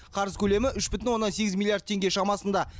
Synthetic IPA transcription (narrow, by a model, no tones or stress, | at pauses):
qʰɑɾəzkʲʰɵle̞mɪʔʏʃbɪt̪̬ɪnwo̞nːɑnse̞ɡʲɪzmʲilˠijaɾd̪̚t̪ʰe̞ŋɡʲe̞ʃɑmɑsənd̪ɑ